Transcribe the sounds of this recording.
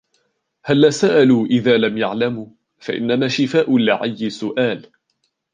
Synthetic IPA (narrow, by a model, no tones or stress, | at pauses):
halːaːsaʔaluːʔɪðaːlamjaʕlamu | faʔɪ̰nːamaːʃɪfaːʔʊlɪʕajːɪsʊʔaːl